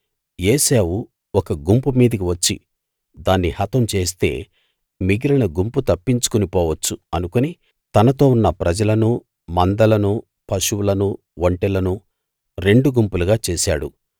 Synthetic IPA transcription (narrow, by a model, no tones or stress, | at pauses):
jeːseːʋu | ɔkɐɡumpumiːd̪ɐkiʋɐt͡ʃːḭ | d̪aːnːihɐt̪ɐmt͡ʃe̞ːs̬t̪e̞ː | miɡiɾɐnɐɡumput̪ɐpːiɲt͡ʃu̥kunipɔːʋɐt͡ʃːuɐnukuni | t̪ɐnɐt̪o̞ːunːɐpɾɐd͡ʒɐlɐnu | mɐnd̪ɐlɐnu | pɐʃuwulɐnu | ʋoɳʈɛlɐnu | ɾe̞ɳɖuɡumpuluɡaːt͡ʃeːʃa̰ːɽu